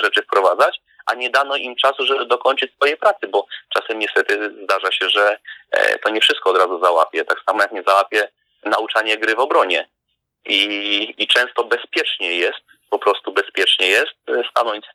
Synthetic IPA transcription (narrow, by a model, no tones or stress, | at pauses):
ʐɛt͡ʂɘfpɾɔvad̪zat͡ɕ | ʔa̰ɲɛd̪anɔʔimt͡ʂasuʐɛbɘd̪ɔkɔɲt͡ʂɘt͡ɕsfɔjɛpɾat̪sɘbɔt͡ʂasɛmɲɛst̪ɛt̪ɘzd̪aʐaɕɛʐɛt̪ɔɲɛfʂɘst̪kɔːd̪ɾazuzawa̰pʲjɛt̪aksamɔjakɲɛzawapfʲjɛ | naut͡ʂaɲɛɡɾɘvɔbɾɔɲɛ | iːt͡ʂɛ̃st̪ɔbɛspʲjɛt͡ʂɲɛjɛst̪̚ | pɔpɾɔst̪ubɛspʲjɛt͡ʂɲɛjɛst̪̚st̪anɔɲt͡ɕ